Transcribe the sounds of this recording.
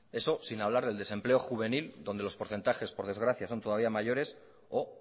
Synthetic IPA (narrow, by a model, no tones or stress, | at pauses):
e̞so̞sinaβ̞laɾð̞eld̪e̞se̞mple̞o̞xuβ̞e̞nild̪o̞nd̪elo̞spo̞ɾθe̞nt̪axe̞spo̞ɾð̞e̞zɣɾaθjaso̞nt̪o̞ð̞aβiamaʝo̞ɾe̞s | o